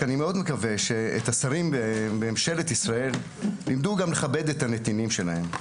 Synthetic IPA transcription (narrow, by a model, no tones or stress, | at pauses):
animeo̞d̪mekave̞ʃeḛt̪asaʁimbbeemʃe̞let̪isʁae̞l | limd̪uɡamle̞χabe̞d̪e̞t̪ane̞t̪inimʃe̞lahe̞m